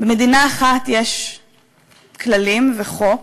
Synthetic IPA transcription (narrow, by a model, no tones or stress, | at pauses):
bemed̪inaːχat̪jeʃ | kʰlalimveχo